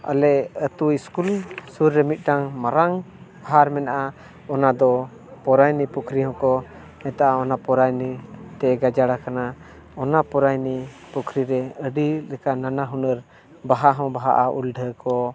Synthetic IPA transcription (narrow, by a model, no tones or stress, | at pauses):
a̰lɛət̪uiskulsuɾːɛmit̪̚ʈaŋmaɾaŋ | aɦaɾmɛnaʔa | ɔnad̪ɔ | pɔɾajnipukʰɾiɦɔ̃kɔ | ɛ̃t̪aʔaɔnapɔɾajnit̪ɛɡad͡ʒaɽakana | ɔnapɔɾajni | pukʰɾiɾɛəɖilɛkananaɦunəɾ | baɦaɦɔ̃baɦa̰ʔaʔṵlɖʱəkɔ